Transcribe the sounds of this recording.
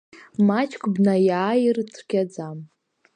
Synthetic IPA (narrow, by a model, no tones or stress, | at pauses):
mat͡ʃʰʼkʰʼbnajaːjirtʰrɡʲad͡zam